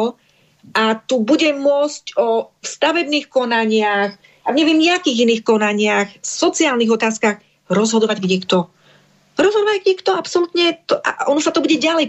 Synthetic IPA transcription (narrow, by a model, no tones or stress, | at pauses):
ʔat̪ubuɟɛmʊɔt͡scɔfst̪aʋɛbniːxkɔnaɲɪax | aɲɛʋɪɛmɲɛakiːɣiniːxkɔnaɲɪaxsɔt͡siɪaːlniɣɔt̪aːskax | ɾɔzɦɔd̪ɔʋaɟɡɲɛkt̪ɔ | ɾɔzɦɔd̪ɔʋaɡɲɛkt̪ɔapsɔlut̪ɲɛt̪ɔʔa̰ɔnɔsat̪ɔbuɟɛɟalɛj